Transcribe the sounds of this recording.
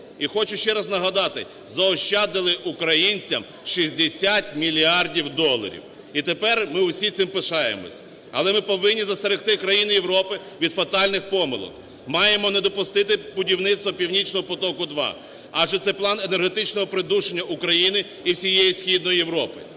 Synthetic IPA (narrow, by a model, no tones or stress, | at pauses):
ixɔt͡ʃʊʃt͡ʃɛɾɐznɐɦɐd̪ɑt̪ɪ | zɐɔʃt͡ʃɑd̪ɪlˠɪʔʊkɾɐjinʲt͡sʲɐm | ʃizʲd̪esʲat̪ʲmʲilʲiɑrdʲiwd̪ɔlˠɐ̰ɾʲḭw | it̪epɛrmɪwsʲit̪sɪmpɪʃɑjḛmɔ̰sʲ | ɐ̰lˠɛmɪpɔʋɪnʲːizɐst̪eɾɪxt̪ɪkɾɐjinɪjewɾɔpɪ | ʋʲid̪fɐt̪ɑlʲnɪxpɔmɪ̰lˠɔ̰k | mɑjemɔned̪ɔpʊst̪ɪt̪ɪbʊdʲiwnɪt̪st̪ʋɔpʲiwnʲit͡ʃnɔɦɔpɔt̪ɔkʊd̪ʋɑ̰ | ɑʒɛt̪sɛplˠɑnenerɦet̪ɪt͡ʃnɔɦɔpɾɪd̪uʃenʲːɐʔʊkɾɐjinɪ | iwsʲijejisʲxʲid̪nɔjijewɾɔpɪ̰